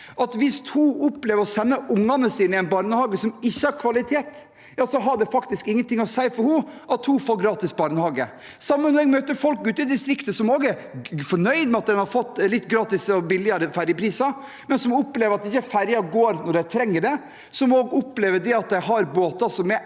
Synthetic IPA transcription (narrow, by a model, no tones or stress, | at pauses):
ʔɑt̪ʋɪst̪huʔɔpleːʋəɾɔsɛnːəʔʊŋːɑnəsiːnɪæɛɪnbɑɾnəhɑːɡəsɔmɪçːəhɑɾkʰʋɑlɪt̪ʰeːt̪ | jɑːsɔɦɑɖɛfɑkt̪ɪskɪŋːənt̪ɪŋɔsæɪfɔɾhʊʔɑt̪hufoːɡɾɑːt̪ɪsbɑɾnəhɑːɡə | sɑmːənɔɾɛɡmøːt̪əɾfɔlkʉːt̪ɪd̪ɪst̪ɾɪkt̪əsɔmoːɡæfɔɳœʏd̪mɛɑt̪̚d̪ɛnhɑɾfɔt̪ːlɪt̪ːɡɾɑːt̪ɪsɔbɪlɪɑɾəfæɾjəpʰɾiːsɑ | mɛnsɔmɔpleːʋəɾɑt̪ɪçːəfæɾjɑɡoːɾnɔɖæɪt̪ʰɾɛŋːəɖɛ | sɔmoːɡɔpleːʋəɖ̪ɛɑt̪̚d̪æɪɦɑɾboːt̪ɑsɔmɛ